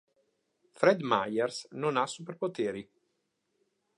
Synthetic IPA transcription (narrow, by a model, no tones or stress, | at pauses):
fɾɛd̪majɛrsnonasːupeɾpot̪eːɾi